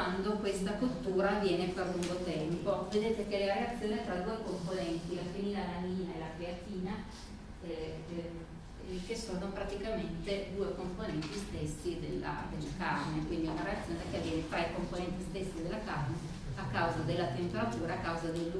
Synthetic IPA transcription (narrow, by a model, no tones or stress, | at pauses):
and̪okwest̪akot̪ːuːɾaːvːjɛːnefaluŋɡot̪ɛmpoved̪eːt̪ek̟eleɾeat̪sːjoːnit̪ɾad̪uekomponɛnt̪ilafinilalaniːnaelakɾeat̪iːna | ɛ | kesod̪onopɾat̪ikament̪ed̪uːekomponɛnt̪ist̪esːid̪elːa̰d̪elːakarnekwind̪iɛunaɾeat̪sːjoːnekeavːjɛːnet̪ɾajkomponɛnt̪ist̪esːid̪elːakarne | akːawzad̪elːat̪empeɾat̪uːɾaakːawzad̪elː